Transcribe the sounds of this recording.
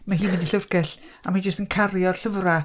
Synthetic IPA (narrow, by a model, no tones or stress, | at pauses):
maɦiːmɪndiɬərkɛɬamad͡ʒəstənkʰarjɔd̥ɬəvra